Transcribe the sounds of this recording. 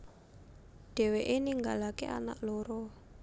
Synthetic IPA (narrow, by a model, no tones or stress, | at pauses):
ɖ̥ɛ̤weʔeniŋɡalakḛʔa̰na̰ʔlɔɾɔ